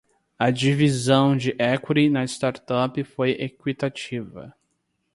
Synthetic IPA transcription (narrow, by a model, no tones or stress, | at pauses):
ɐd͡ʒivizɐ̃w̃d͡ʒɪʔɛkɾinɐɪst̪aɾt̪ɔpɪfojekwit̪at͡ʃivɐ̰